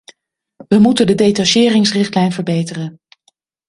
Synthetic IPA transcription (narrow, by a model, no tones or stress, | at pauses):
ʋəmutəndədejtaʃɪːrɪŋsrɪχtlɛjnvəɹbejtərən